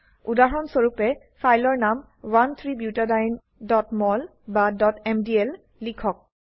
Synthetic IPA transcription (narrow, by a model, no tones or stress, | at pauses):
udaɹɔnsoɹupɛ | fʰajlɔɹnam | want̪ʰɹibjutadajn | dɔtmɔl | badɔtɛmdiɛl | likʰɔk̚